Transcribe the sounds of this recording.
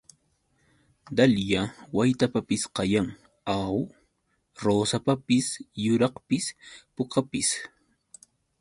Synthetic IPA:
d̪aljawajt̪apapɪsqɑjaŋ | aw | ɾoːsapapɪsjʊɾɑqpɪspokapɪs

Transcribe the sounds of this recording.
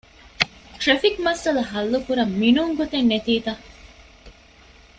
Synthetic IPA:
ʈɾefikmɐsɐlɐɦɐlːukuɾɐmːinuːŋɡot̪enːet̪iːd̪ɐ

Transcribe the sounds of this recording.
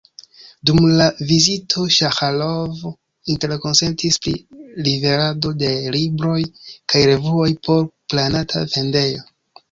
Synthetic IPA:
dumlavizitʰo̞ʃaxalov | inte̞ɾko̞nse̞ntispɾḭlive̞ɾadode̞libɾo̞jkʰajɾe̞vuo̞jpʰo̞ɾplanatʰa̰ve̞nde̞jo̞

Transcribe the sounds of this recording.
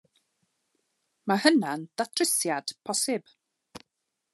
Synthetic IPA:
mahənand̥atʰrɪsjad̥pʰɔsɪb̥

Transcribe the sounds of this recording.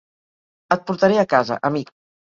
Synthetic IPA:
ət̪̚puɾt̪əɾeəkazə̰ʔəmik̚

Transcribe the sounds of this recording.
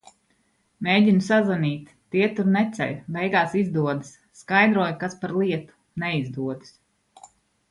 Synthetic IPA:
meːɟʲinusazanʲiːt̪ːiɛt̪uɾnɛt̪sɛ̰ʎʲbɛjɡaːsizd̪uɔd̪ɨsːkajd̪ɾuɔjkaspaɾlˠiɛt̪u̥ | nɛizd̪uɔd̪ɨ̥s

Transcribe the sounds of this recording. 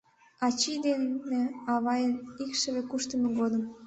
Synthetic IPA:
ɑt͡ɕid̪enneɑβɑjənikʃəβekuʃt̪əmeɡod̪əm

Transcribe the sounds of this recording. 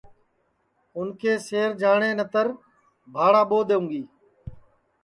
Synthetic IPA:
ʊnkʰeːseːɾd͡ʒaːɳ̃eːnət̪əɾ | bʱaːɽaːɓoːd̪eːũːɡiː

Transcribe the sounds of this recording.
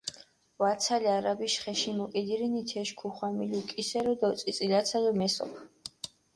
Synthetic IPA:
vat̪sʰaliaɾabiʃχɛʃimɔkʼid̪iɾinit̪ʰɛʃkʰuχwamiliukʼisɛɾɔd̪aɔt̪sʼit̪sʼilat̪sʰalɔmɛsɔ̰pʰ

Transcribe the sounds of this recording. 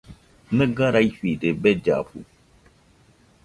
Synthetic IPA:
nɨɡaɾaifidebɛd͡ʒa̰ɸṵ

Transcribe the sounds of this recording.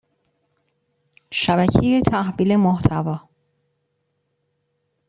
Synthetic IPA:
ʃæbæcʰejet̪ʰæhviːlemoht̪ʰævɒː

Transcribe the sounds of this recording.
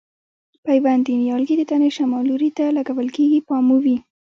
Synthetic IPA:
pajwand̪injɑlɡid̪ət̪aneʃamɑluɾit̪alaɡawəlkeɡipɑmuwi

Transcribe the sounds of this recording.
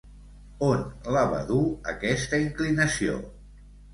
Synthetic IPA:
onləβa̰ðuə̰kɛst̪əiŋklinəsio̰

